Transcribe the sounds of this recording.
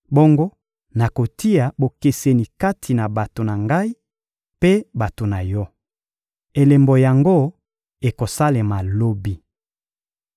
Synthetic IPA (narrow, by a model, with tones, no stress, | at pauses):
bo˦ŋɡo˦ | na˨ko˨ti˦a˨bo˨ke˨se˨ni˨ka˦tʰi˨na˨ba˨to˨na˨ŋɡa˦i˦ | pe˦ba˨to˨na˨jɔ˦ | e˨le˨mbo˨ja˨ŋɡo˦ | e˨ko˨sa˦le˨ma˨lo˦bi˦